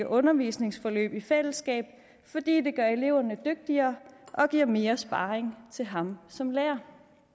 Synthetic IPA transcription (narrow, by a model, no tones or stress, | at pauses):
əʔɔ̽nɐʋiːsne̝ŋsfɒ̽lø̰ːb̥ifel̰əsɡ̥ɛ̰ːb̥ | fɒ̽d̥ḭːd̥e̝ɡ̥ɶɐe̝le̝ʊ̰ɐnəd̥øɡ̥̚d̥iɐːʔɒ̽ɡ̥iɐ̰me̝ːɐsb̥ɑ̈ːʁeŋt͡sʰe̝lɦɑ̈msɒ̽mleːɐ